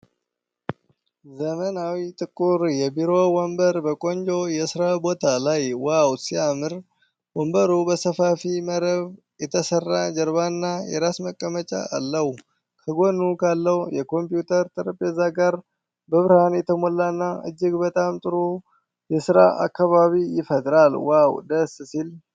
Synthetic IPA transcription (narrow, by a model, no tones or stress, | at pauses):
zəmənawit̪ʼɨkʼːuɾjɛbiɾo̞wombəɾbəkʼo̞ɲd͡ʒo̞jɛsɨɾabo̞t̪ʰalajwawt̪siamɨɾ | wombəɾubəsəfafiməɾəβ | jɛt̪ʰəsərːad͡ʒɛɾβanːajɛ̰ɾasməkʼːəmət͡ʃʼa̰ːlːəhw | kʰəɡo̞nukʰalːəwjɛkʰo̞mpjut̪ʰəɾt̪ʼɨɾəpʼezaɡaɾ | bəβɨɾhanjɛt̪ʰəmolːanːaʔɨ̰d͡ʒːɪɡbət̪ʼamt̪ʼɨɾu | jɛsɨɾa̰ʔa̰kːaβaβijɪfəd̪ɾalwawd̪əssil